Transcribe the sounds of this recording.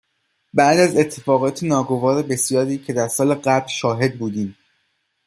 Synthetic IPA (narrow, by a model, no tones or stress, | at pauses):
bæʔd̪æze̞t̪ʰːe̞fɒːɣɒːt̪ʰenɒːɡo̞vɒːɾe̞be̞sjɒːɾiːcʰe̞d̪æɾsɒːle̞ɢæblʃɒːɦe̞d̪̚buːd̪iːm